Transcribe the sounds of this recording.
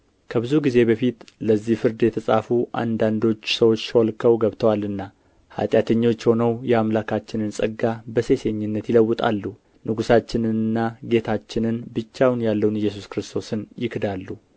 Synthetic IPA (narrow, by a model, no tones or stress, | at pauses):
kʰəbɨzuɡize̞bəfit̪ləzːihfɨɾd̪jɛt̪ʰəsʼafuʔa̰nd̪and̪o̞t͡ʃːsəwot͡ʃːsolkʰəwɡəβt̪ʰəwalɨnːa | ha̰t̪ʼjat̪ʰəɲːo̞t͡ʃːho̞nəwjɛamlakat͡ʃːɪnɨnsʼəɡːabəse̞se̞ɲːɪnːət̪jɪləwːʊt̪ʼa̰lːu | nʔɨɡusat͡ʃːɪnɨnːaɡe̞t̪ʰat͡ʃːɪnɨnbɨt͡ʃːawnjalːəwnɨjːɛs̬uskɾɨst̪ʰo̞sɨnjɪkd̪alːu